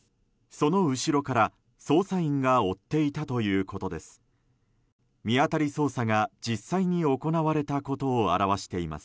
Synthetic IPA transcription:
so̞no̞ɯ̟ɕiɾo̞kaɾa | so̞ːsaĩŋɡao̞t̪ːe̞it̪at̪o̞jɯ̟ːko̞t̪o̞d̪e̞sɨ̥ | mʲiat̪aɾʲiso̞ːsaɡad͡ʑisːaiɲ̟io̞ko̞naβaɾe̞t̪ako̞t̪o̞ːa̰ɾaβaɕi̥t̪e̞ima̰sɨ̥

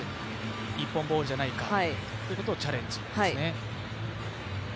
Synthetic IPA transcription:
ipːõmbo̞ːɾɯ̟ʑanaika̰hait̪ojɯ̟ko̞t̪oːt͡ɕaɾẽ̞ɲ̟d͡ʑid̪hasine

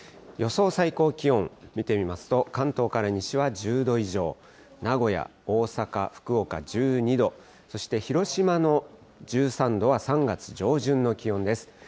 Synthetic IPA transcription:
jo̞so̞ːsaiko̞ːkʲiõ̞mmʲit̪e̞mʲimasɨ̥t̪o̞kãnt̪o̞ːkaɾaɲ̟iɕiβaʑɨːd̪o̞iʑo̞ː | naɡo̞ja̰o̞ːsaka̰ɸɯ̟̥kɯ̟o̞ka̰d͡ʑɨːɲ̟id̪o̞ | so̞ɕi̥t̪e̞çiɾo̞ɕimano̞ | d͡ʑɨːsãnd̪o̞βasãŋɡat͡sɨ̥d͡ʑo̞ːʑɨ̃nːo̞kʲiõ̞nd̪e̞sɨ̥

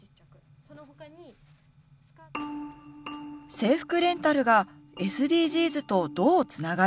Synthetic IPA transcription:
se̞ːɸɯ̥kɯ̟ɾẽ̞nt̪aɾɯ̟ɡa | e̞sɨd̪ʲiːʑiːzɨt̪o̞d̪o̞ːt͡sɨnaɡa

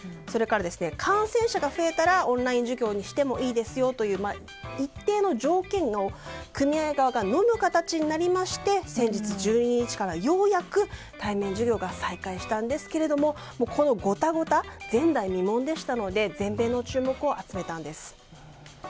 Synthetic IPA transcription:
so̞ɾe̞kaɾad̪e̞sɨne̞kʰãɰ̃sẽ̞ɰ̃ɕaɡaɸɯ̟e̞t̪aɾaõ̞nɾaĩɲ̟d͡ʑɨɡʲo̞ːɲ̟iɕi̥t̪e̞mo̞ʔiːd̪e̞sɨjo̞t̪o̞jɯ̟ːma | it̪ːe̞ːno̞ʑo̞ːkẽ̞ŋɡokɯ̟mʲiaeɡaβaɡano̞mɯ̟kat̪at͡ɕiɲ̟inaɾʲimaɕi̥t̪e̞sẽ̞ɲ̟d͡ʑit͡sɨʑɨːɲ̟iɲɲ̟it͡ɕi̥kaɾajo̞ːjakɯ̟ | t̪aimẽ̞ɲ̟d͡ʑɨɡʲo̞ːɡasaikaiɕi̥t̪ãnd̪e̞sɨ̥ke̞ɾe̞d̪o̞mo̞ | mo̞ːkʰo̞no̞ɡo̞t̪aɡo̞t̪ad͡zẽ̞nd̪aimʲimõ̞nd̪e̞ɕi̥t̪ano̞d̪e̞zẽ̞mbe̞ːnːo̞t͡ɕɨːmo̞kɯ̟o̞ʔat͡sɨme̞t̪ãnd̪e̞sɨ̥

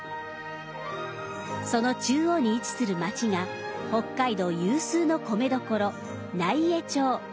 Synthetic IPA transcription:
so̞no̞t͡ɕɨːo̞ɲ̟iːt͡sɨ̥sɨɾɯ̟mat͡ɕiŋa | ho̞kːaid̪o̞jɯːsɨːno̞ko̞me̞d̪o̞ko̞ɾo̞ | naie̞t͡ɕoː

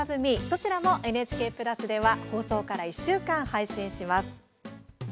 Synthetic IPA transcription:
azɯmʲiso̞t͡ɕiɾamo̞ʔe̞net͡ɕi̥ke̞ːpɯ̟ɾasɨd̪e̞βaho̞ːso̞ːkaɾaiɕːɨːkãɰ̃haiɕĩɕimasɨ̥

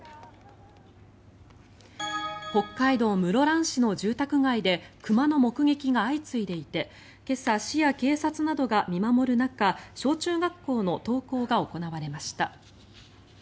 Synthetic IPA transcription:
ho̞kːaid̪o̞ːmɯ̟ɾo̞ɾãɰ̃ɕino̞ʑɨːt̪akɯ̟ɡaid̪e̞kɯ̟mano̞mo̞kɯ̟ɡe̞kʲiɡaːit͡sɨid̪e̞it̪e̞ | ke̞saɕijake̞ːsat͡sɨnad̪o̞ɡamʲimamo̞ɾɯ̟nakaɕo̞ːt͡ɕɨːɡakːo̞ːno̞t̪o̞ːko̞ːɡao̞ko̞naβaɾe̞maɕi̥t̪a

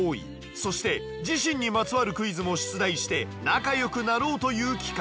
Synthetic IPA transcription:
oːḭ | so̞ɕi̥t̪e̞ | d͡ʑiɕĩɲ̟ːimat͡sɨβaɾɯ̟kɯ̟izɨmo̞ɕi̥t͡sɨd̪aiɕi̥t̪e̞nakajo̞kɯ̟naɾo̞ːt̪o̞jɯ̟ːkʲi̥ka

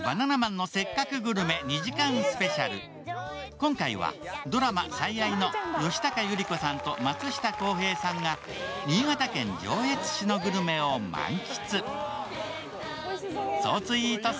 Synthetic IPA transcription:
b̥ananamãnːo̞se̞kːakɯ̟ɡɯ̟ɾɯ̟me̞ɲ̟iʑikãɰ̃sɨ̥pe̞ɕaɾɯ̟ | kõ̞ŋkaiβa̰d̪o̞ɾama̰saiaino̞jo̞ɕi̥t̪akajɯɾʲiko̞sãnt̪o̞mat͡sɨɕi̥t̪ako̞ːɦe̞ːsãŋɡa | ɲʲiːɡat̪akẽ̞ɲ̟d͡ʑo̞ːe̞t͡sɨ̥ɕino̞ɡɯ̟ɾɯ̟me̞o̞mã̰ŋkʲi̥t͡sɨ | so̰ːt͡sɨiːt̪o

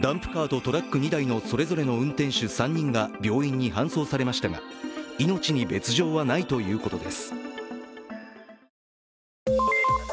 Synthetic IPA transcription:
d̪ãmpɯ̟̥kaːd̪o̞t̪o̞ɾakːɯɲ̟id̪aino̞so̞ɾe̞zo̞ɾe̞no̞ɯ̟̃nt̪ẽ̞ɰ̃ɕɨsãɲ̟ːĩŋɡabʲjo̞ːĩɲ̟ːiɦãɰ̃so̞ːsaɾe̞maɕi̥t̪aɡa̰ino̞t͡ɕiɲ̟ibe̞t͡sɨʑo̞ːβanait̪o̞jɯ̟ːko̞t̪o̞d̪e̞̰sɨ̥

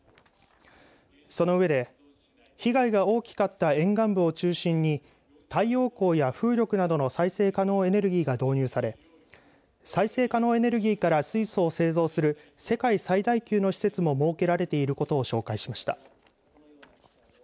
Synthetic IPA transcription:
so̞no̞ɯ̟βe̞d̪e̞ | çiɡaiɡao̞ːkʲi̥kat̪ːaẽ̞ŋɡãmbɯ̟o̞t͡ɕɨːɕĩɲ̟ːi | t̪aijo̞ːko̞ːjaɸɯ̟ːɾʲo̞kɯ̟nad̪o̞no̞saise̞ːkano̞ːe̞ne̞ɾɯ̟ɡʲiːɡad̪o̞ːɲ̟ɨːsaɾe̞ | saise̞ːkano̞ːe̞ne̞ɾɯ̟ɡʲiːkaɾasɨiso̞ːse̞ːzo̞ːsɨɾɯ̟ | se̞kaisaid̪aikʲɨɯːno̞çi̥se̞t͡sɨmo̞mo̞ːke̞ɾaɾe̞t̪e̞iɾɯ̟ko̞t̪o̞ːɕo̞ːkaiɕimaɕi̥t̪a̰

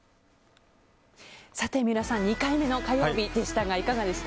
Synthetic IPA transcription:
sat̪e̞mʲiɾasãɲ̟ɲːikaime̞no̞kajoːbʲid̪e̞ɕi̥t̪aɡaikaɡad̪e̞sɨ̥t̪a

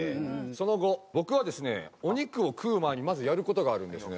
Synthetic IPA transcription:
so̞no̞ɡo̞bo̞kɯ̟βad̪e̞sɨne̞̰o̞ɲ̟ikɯ̟o̞kʰɯ̟ːmaɲ̟imazɨjaɾɯ̟ko̞t̪o̞ɡaːɾɯ̟̃nd̪e̞sɨne

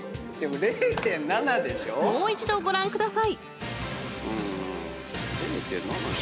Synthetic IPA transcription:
d̪̥e̞moɾeːt̪ẽ̞nːanad̪e̞ɕomoːit͡ɕid̪o̞ɡo̞ɾãŋkɯ̟d̪asai | ɯ̃ː | ɾeːt̪ḛ̃nːana̰

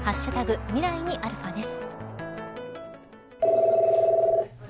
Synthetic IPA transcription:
haɕːɯt̪aɡɯ̟mʲiɾaiɲ̟iʔaɾɯ̟ɸad̪e̞sɨ̥

